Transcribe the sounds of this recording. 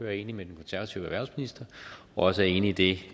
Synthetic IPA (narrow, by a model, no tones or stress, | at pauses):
øːɐe̝ːnimed̥enkʰo̽nsæɐʋæt͡sʰiʊæʋæɐn̩sminisd̥ɐ | ɒ̽ɒ̽səæɐe̝ːniid̥e̝